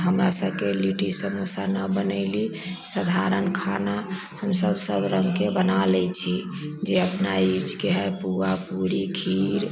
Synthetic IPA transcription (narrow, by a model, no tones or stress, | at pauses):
ɦəmɾasəbkeliʈisəmusanəbənəɪli | səd̪ʱaɾənkʰana | həmsəbsəbɾəŋɡkebənalɛt͡ʃʰi | d͡ʒeəpnajud͡ʒkeɦɛjpuʋapuɾikʰiɾ